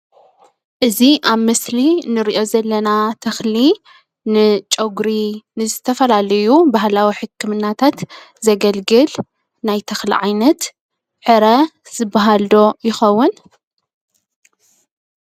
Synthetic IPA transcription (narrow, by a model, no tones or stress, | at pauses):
ʔɨziʔaβmɨslinɨɾiʔo̞zɐlːɐnat̪ʰɐxli | nɨt͡ʃʼɐɡɾinɨzɨt̪ʰɐfɐlalɐjubaɦlawiħɨkʰːɨmɨnːat̪ʰat̪ | zɐɡɐlɡɨl | najt̪ʰɐxlḭʕajnɐt̪ | ʕɨɾɐz̥ɨbːaɦald̪o̞jɪxɐwːʊn